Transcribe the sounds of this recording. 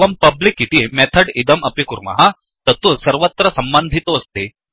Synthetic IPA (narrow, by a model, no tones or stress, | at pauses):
ɐmpɐblikit̪imet̪ʰɐɖid̪ɐmʔɐpikuɾmɐ̰ɦɐ | t̪ɐt̪ːusɐɾʋɐt̪ːɾɐsɐmbɐnd̪ʱit̪oɐst̪i